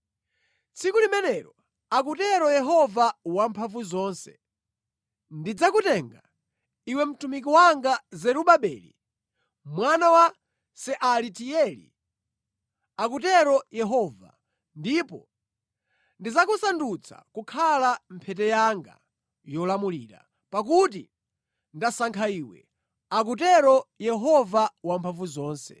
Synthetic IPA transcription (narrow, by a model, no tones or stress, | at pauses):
t͡sʰikulimɛnɛɾɔ | ak̬utɛɾɔjɛɦɔvawampʰaɱvuzɔːnsɛ̰ | ndid͡zakutɛŋɡa̰ | iwɛm̩tumik̬iwaŋɡazɛɾuɓaɓɛ̰ːlḭ | mwanawa | sɛʔalitiɛlḭ | ak̬ut̬ɛɾɔjɛɦɔːva̰ | ndipɔ | ndizakusandut͡sʰa̰kukʰalam̩pʰɛtɛjaŋɡa̰ | jɔlamuliːɾa̰ | pak̬ut̬ḭ | ndasaŋkʰaiːwɛ̰ | ak̬ut̬ɛɾɔjɛɦɔvawampʰaɱvuzɔːnsɛ̰